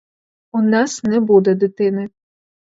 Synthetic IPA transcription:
unɑsnɛbud̪ɛd̪ʊt̪ɪnɪ

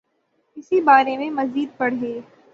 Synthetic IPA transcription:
ɪsibaːɾemẽmɐziːd̪̚pɐɽ̤ɦeː

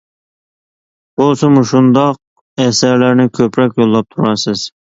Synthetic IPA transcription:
bolˠsɨmuʃund̪ɑq̚ | ɛsæɾlæɾnɪkʲʰøpɾɑkʲjolˠːɑp̚t̪ʰuɾɑsɨz̥

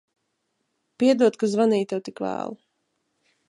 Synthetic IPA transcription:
piɛd̪uɔt̪kazvaniːt̪ɛwt̪ikvæ̰ːlˠu

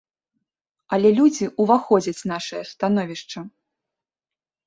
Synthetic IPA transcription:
ɐlʲɛlʲud͡zʲiʔuvaxɔd͡zʲɐt͡sʲnaʂɐjɐst̪anɔvʲiʂt͡ʂɐ

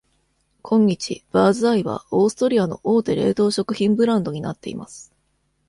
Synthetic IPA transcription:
kʰõ̞ɲ̟ːit͡ɕḭb̥aːzɨaiβa̰oːsɨ̥t̪o̞ɾʲiano̞ʔoːt̪e̞ɾe̞ːt̪o̞ːɕo̞kɯ̟çĩmbɯ̟ɾãnd̪o̞ɲ̟inat̪ːe̞ḭma̰sɨ̥

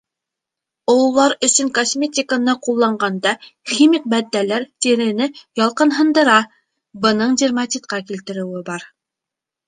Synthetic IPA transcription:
ŏwlˠːɑɾɵ̆sɵŋkosmʲet̪ʲɪkənɤqulˠːɑɴɢɑnd̪ɑχʲimʲik̚bæd̪ːælæɾt̪iɾɘ̆nɘjɑlˠqɤ̆nɦɤ̆nd̪ɤ̆ɾɑ | bɤ̆nɤɴd̪ʲirmat̪ʲit̪qɑkilt̪ɘ̆ɾɘ̆wɘbɑɾ

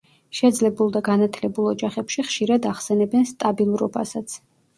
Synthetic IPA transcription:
ʃɛd̪zlɛbulˠd̪aɡanat̪ʰlɛbulˠɔd͡ʒaχɛpʃiχʃiɾad̪aχsɛnɛbɛnst̪ʼabilˠuɾɔba̰sat̪sʰ

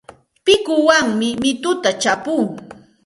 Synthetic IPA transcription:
pɪkʊwaŋmɪmɪt̪ʊt̪at͡ʃapʊŋ

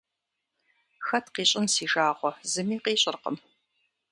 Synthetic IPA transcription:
xɐtqiːɕʼɪnsiːʒaːʁʷɔzɨmiːqiːɕʼɪrqə̰m

